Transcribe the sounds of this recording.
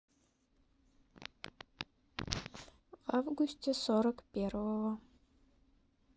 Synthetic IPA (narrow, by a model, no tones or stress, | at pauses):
vavɡusʲt̪ʲesoɾəkpʲervəwə